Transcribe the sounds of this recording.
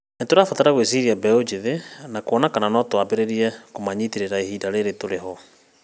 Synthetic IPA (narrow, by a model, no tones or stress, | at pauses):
netoɾafataɾaɣwesiɾiabɛod͡ʒiðenakoɔnakananɔtwabeɾeɾiɛkomaɲitiɾeɾaehiːdaɾeɾetoɾeɦɔ